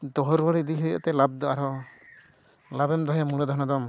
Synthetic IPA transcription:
d̪ɔɦɔɾɡɔɽid̪iɦɔjɔ̰ʔt̪ɛlab̚d̪ɔʔaɾɔ | labɛmd̪ɔɦjamuɽ̃ad̪ɔɦnad̪ɔm

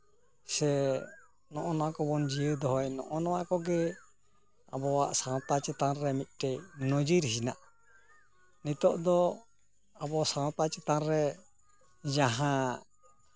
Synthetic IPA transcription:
sɛ | nɔʔɔnakɔbɔnd͡ʒiəd̪ɔɦɔjnɔ̰ʔɔnɔwakɔɡɛ | abɔwa̰ʔsãwt̪at͡ʃɛt̪anɾɛmit̪̚ˀʈɛjnɔd͡ʒiɾisina̰ʔ | nit̪ɔʔd̪ɔ | abɔsãt̪at͡ʃɛt̪aɾɾɛ | d͡ʒaɦã

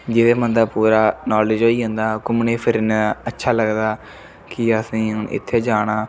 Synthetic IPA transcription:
d͡ʒɪdeːmənd̪aːpuːɾaːnɔːlɪd͡ʒɦoːiːɦə̃nd̪aːkʊmneːpʰɪɾnːətːʃʰaːləɡd̪aː | kɪəsĩːɪ̰t̪ʰːeːd͡ʒaːɽ̃aː

